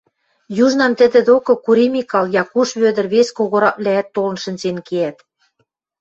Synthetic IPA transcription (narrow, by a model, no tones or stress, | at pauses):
juʒnɑmt̪ə̆d̪ĕd̪okɤ̆kuɾimikɑljɑkuʃβød̪ə̆rβeskoɣoɾɑβlææt̪ːolɤ̆nʃə̆nzenkeæt̪